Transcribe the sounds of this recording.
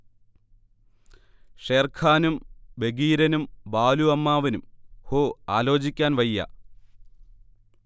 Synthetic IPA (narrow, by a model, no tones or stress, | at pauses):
ʂeːrkʰaːnumbe̞ɡiːɾɐnumbaːluɐmːaːʋinumhoːaːlo̞ːd͡ʑikʲːaːnʋɐjːɐ̰